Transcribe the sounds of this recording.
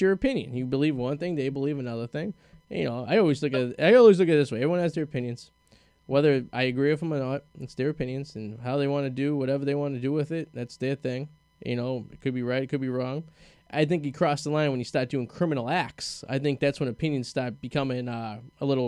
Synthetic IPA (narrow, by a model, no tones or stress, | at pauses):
ə˞ɨpʰɪ̃njɨ̰̃njɨbəlivwʌ̃nθɪ̃ŋðeɪbəlivɨnʌðə˞θɪ̃ŋ | ɨ̰noʊa̰ɪɔlˠwizlʊkɨt̚aɪɔlˠwizlʊkɨt̪̚ðɪsweɪɛvɹiwʌ̃nɨzðə˞ɨpʰɪ̃njɨ̃nz̥ | wɛðə˞ʔaɪɨɡɹiwɨvə̃mənət̚ɨtsðə˞ɨpʰɪ̃njɨ̃nzɨ̃nɦaʊðeɪwɑ̃nɨdɨwʌɾɛvə˞ðeɪwɑ̃nɨdɨwɪðɪt̚ðætsðə˞θɪ̃ŋ | jɨ̰noʊɨt̚kʰɨd̚biɹaɪtɨt̚kɨd̚biɹɔ̃ŋ | ʔa̰ɪθɪ̃ŋkjɨkʰɹ̥ɔsðəlãɪ̃nwɨ̃njɨstɑɹt̚d̥ʉɪ̃ŋkʰɹ̥ɪ̃mɨnl̩ˠæk̚sa̰ɪθɪ̃ŋk̚ðætswə̃nɨpʰɪ̃njɨ̃nz̥stɑɹt̚b̥ɨkʰʌmɪ̃ŋʌəlɪɾl̩ˠ